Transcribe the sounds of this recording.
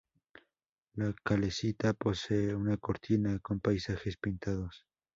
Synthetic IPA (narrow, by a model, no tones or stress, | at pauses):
lakale̞sit̪apo̞se̞eunako̞ɾt̪ʰinako̞mpajsaxe̞spint̪aðo̞s